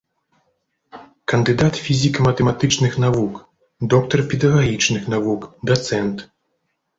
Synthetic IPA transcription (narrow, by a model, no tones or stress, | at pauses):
kɐnd̪ɨd̪at̪fʲizʲikɐmɐt̪ɛmat̪ɨt͡ʂnɨxnavuk | d̪ɔk̚t̪ɐrpʲɛd̪ɐɣaɣʲit͡ʂnɨxnavukd̪at̪sɛnt̪